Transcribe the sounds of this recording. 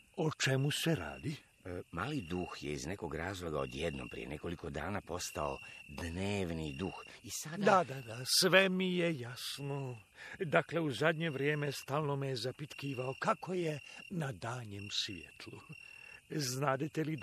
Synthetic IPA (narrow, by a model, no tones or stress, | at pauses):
ot͡ʃemuse̞ɾa̰ːd̪i | maːlid̪uxjḛizne̞koɡɾaːzlˠo̞ɡa̰o̰d̪jed̪no̰mpɾḭjene̞ko̞liko̞d̪aːnaːpo̞st̪aod̪neːʋnid̪ux | isad̪ad̪ad̪asʋemijejasno | d̪akle̞uzad̪ɲeʋɾjeːmest̪aːlˠnomejezapit̪kiːʋaokako̞jenad̪aːɲemsʋjḛt̪ʰlu | znaːd̪et̪eli